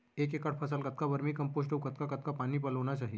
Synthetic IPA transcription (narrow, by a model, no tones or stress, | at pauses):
ek̬ekaʈ̚pʰəsalkət̪̚kabəɾmiːkəmposʈəʋkət̪kakət̪̚kapaniːpəlonat͡ɕaɦi